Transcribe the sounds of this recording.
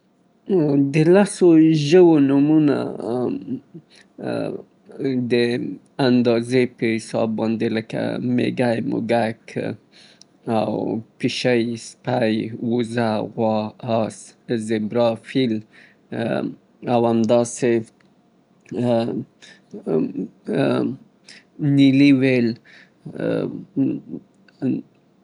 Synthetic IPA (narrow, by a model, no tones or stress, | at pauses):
d̪əlasoʒəwonumuna̰ | d̪ə | and̪ɑzepəhɪsɑ̰bːɑnd̪eləka̰mḛɡajmʊ̰ɡak | a̰wpiʃajspajwuzaɣwɑɑszɪbɾɑfil | awamd̪ɑse | niliwel